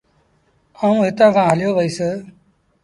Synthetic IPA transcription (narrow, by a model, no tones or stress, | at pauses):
aːũːɦɪt̪ãːkʰãːɦəljoːʋəiːseː